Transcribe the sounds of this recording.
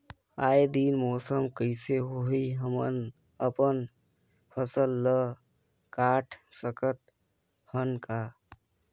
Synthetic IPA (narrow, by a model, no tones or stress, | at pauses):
aːjd̪iːnmoːsəmkəɪseɦoɦiɦəmən | əpən | pʰəsəlːə | kaːʈʰsəkət̪̚ | hənka